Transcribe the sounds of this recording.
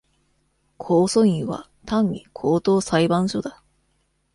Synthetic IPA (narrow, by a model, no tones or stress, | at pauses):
kʰo̞ːso̞ĩɰβa̰ | t̪ãɲ̟ɲikʰo̞ːt̪o̞ːsaibãɰ̃ɕo̞d̪a